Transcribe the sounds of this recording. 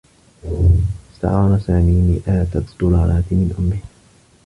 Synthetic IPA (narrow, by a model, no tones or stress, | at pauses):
ɪ̥st̪a̰ʕɑːɾˤɑsaːmiːniːʔaːt̪ad̪ˤʊlɑːɾˤɑːt̪mɪnʔʊmːɪh